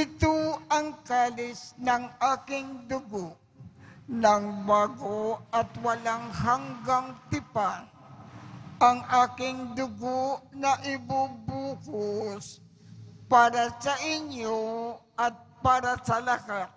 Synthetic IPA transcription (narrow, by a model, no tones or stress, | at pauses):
ɪt̪oɐŋkaːlɪsnɐŋʔaːkɪŋd̪ʊɡoʔ | naŋbaːɡoɐt̪wɐlaŋɦaŋɡaŋt̪ɪpan | ʔɐŋʔaːkɪŋd̪ʊɡoʔnɐʔɪbubuːhos | paːɾasɐʔɪɲjoʔɐt̪̚paːɾasɐlahat̪̚